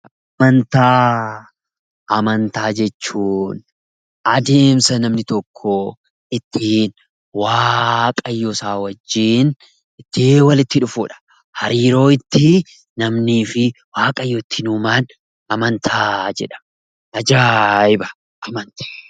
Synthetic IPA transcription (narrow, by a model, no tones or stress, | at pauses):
ʔɐ | mɐnt̪aː | ɐmɐnt̪aːd͡ʒɛt͡ʃːuːn | ɐd̪e̞ːmsɐnɐmnɪt̪ɔkʰːɔ | ɪt̪ːiːn | waːkʼɐjːosaːwɐd͡ʒːiːn | ɪt̪ːiwɐlɪt̪ːɪᶑʊfuːᶑɐ̥ | hɐɾiːɾo̞ːɪt̪ːɪ | nɐmniːfɪ | waːkʼɐjːoːɪt̪ːɪnuːmaːn | ɐmɐnt̪ʰaːd͡ʒɛ̰ᶑɐ̥ | ʔɐd͡ʒaːɪbɐ | ʔɐmɐnt̪e̥